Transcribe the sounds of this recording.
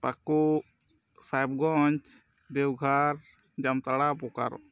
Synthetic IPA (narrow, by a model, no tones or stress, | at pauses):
paku | sajb̚ɡɔɲt͡ʃ | d̪ɛwɡʱaɾ | d͡ʒamt̪aɽapɔka̰ɾɔ̰